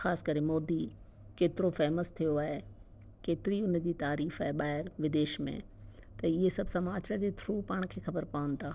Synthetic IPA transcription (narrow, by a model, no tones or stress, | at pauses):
xaːsɪ̥kɐɾemɔːd̪i | keːt̪ɪɾofɛɦməst̪ʰijoaːɦe | keːt̪ɪɾiʊnd͡ʑiːt̪aːɾiːfaːɦeɓaːɦɪɾʋɪd̪eːʃmḛ̃ | t̪ɐɪɦesɐbʱsɐmaːt͡ɕəɾd͡ʑeːt̪ʰɾuːpaːɽ̃kʰeːxɐbəɾpaːʋən̆t̪ʰaː